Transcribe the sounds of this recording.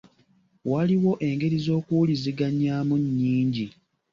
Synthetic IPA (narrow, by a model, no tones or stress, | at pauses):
waliwo̞ʔe̞ŋɡe̞ɾizo̞ːkuliziɡaɲaːmuɲːiːɲɟi